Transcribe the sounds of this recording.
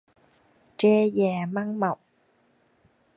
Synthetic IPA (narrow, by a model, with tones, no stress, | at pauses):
t͡ʃɛː˦˥jɛː˨˩ma˥ŋmɐ˨˩w̚